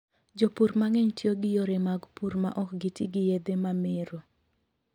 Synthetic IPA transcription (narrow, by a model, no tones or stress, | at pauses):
d͡ʒopuɾmaŋɛɲtʰjoɡɪjoɾemaɡpuɾma̰ʔɔkɡitiɡɪjed̪emamɪɾo